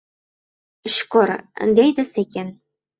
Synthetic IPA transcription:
ɕkoɾɘ̰̆nd̪ejd̪ɘ̆sekʲen

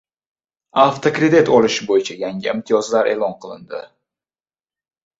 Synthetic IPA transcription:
aft̪ʰokɾe̞d̪it̪ɒlˠɪʃɪbojɪt͡ʃʰajaŋʲɪɪmt̪ʰijɒzlaɾe̞̰ːlˠɒnqʰɨlˠɪnd̪ɪ̰

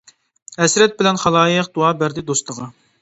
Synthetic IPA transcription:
ɛsɾɛt̪̚bɪlɛnχɑlˠɑːjəqd̪̥uɑːbæɾd̪ɪd̪ost̪ʰəʁɑ

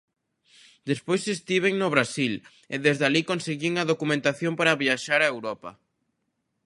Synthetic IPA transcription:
d̪espojsest̪iβ̞eŋnoβɾasil | eðezðalikonseɣiŋɐðokumẽnt̪aθjõmpaɾaβiaʃaɾaewɾɔpɐ̰

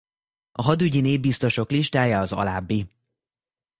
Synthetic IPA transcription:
ɒɦɒd̪yɟineːvbist̪o̞ʃo̞kliʃt̪aːjaɒzɒ̰laːbːi

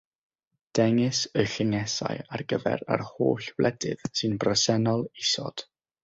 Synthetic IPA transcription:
d̥ɛŋɨsəɬɪŋɛsa̰jarɡəvɛ̰ɾa̰rhoːɬwlʔɛdɨ̰ð̥sɨnbrəsɛnɔlˠisɔ̰d̥

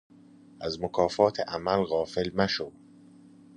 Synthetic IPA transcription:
ʔæzmokʰɒːfɒːt̪ʰeʔæmælɣɒːfe̞lmæʃo

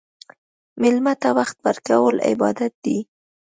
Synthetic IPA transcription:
mɪlmat̪awaxt̪wəɾkawəlɪ̰bɑd̪at̪̚d̪i

